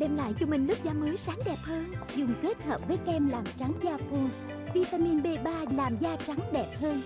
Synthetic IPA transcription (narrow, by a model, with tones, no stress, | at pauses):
ɗɛ˧mla̰ː˧˨jt͡ɕɔ˧mï˨˩ŋ̟lɨ˦˥k̚zaː˧˦mɨː˨˦jsaː˨˦ŋɗɛ˨˩p̚həː˧nzʊ˨˩ŋ͡mke˦˥t̚həː˨˩p̚vəː˨˦jkɛ˧mlaː˨˩mt͡ɕa˨˦ŋzaː˧fu˧ns | vi˧t̪aː˧mi˧nɓe˧ɓaː˧laː˨˩mzaː˧t͡ɕa˨˦ŋɗɛ˨˩p̚həː˧n